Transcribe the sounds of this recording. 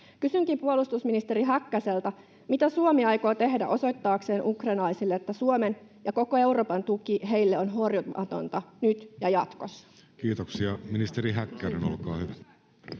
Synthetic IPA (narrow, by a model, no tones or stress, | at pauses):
kysyŋkimpuolust̪usminist̪e̞ɾiɦækːæse̞lt̪æ | mit̪æsuomiɑjko̞ːt̪e̞hdæ̰ʔo̞so̞jt̪ːɑːkse̞ːnʔukrenlɑjsilːeet̪ːæsuomenjɑko̞ko̞e̞wɾro̞ːpɑnt̪ukiɦe̞jlːeonɦorjuʔɑ̰t̪o̞̰nt̪ɑnyt̪jɑjɑt̪ko̞sːɑ̥ | kiːt̪oksiɑminist̪eɾiɦækːæɾeno̰lkɑ̰ːhyʋæ